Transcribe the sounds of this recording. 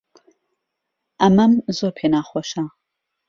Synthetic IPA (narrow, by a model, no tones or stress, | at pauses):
ʔɐmɐmzoːɾpʰenaːχoʃa